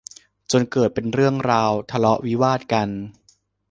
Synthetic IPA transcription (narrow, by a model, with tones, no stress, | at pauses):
t͡ɕo˧nkɤː˨˩t̪̚pe˧nɾɯ˥˩əŋɾaː˧wt̪ʰa˧lɔ˦˥ʔwi˦˥waː˥˩t̪̚ka˧n